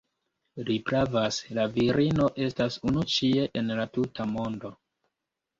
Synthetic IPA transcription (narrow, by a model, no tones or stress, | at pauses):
lipɾavaslaviɾino̞ʔe̞stasunut͡ʃie̞ʔenlatutʰamo̞ndo̞